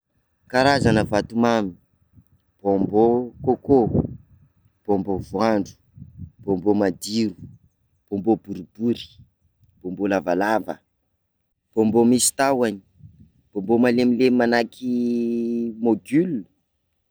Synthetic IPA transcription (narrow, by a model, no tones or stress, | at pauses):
kaɾazanəvat̪umami̥ | b̥ombokoko | b̥ombovuaɳɖ͡ʐu̥ | b̥ombomad̪iɾu | b̥ombob̥uɾib̥uɾi̥ | b̥ombolavalavə̰ | b̥ombomisi̥t̪awaɲi | b̥ombomalemilemanakʰi | moɡylu̥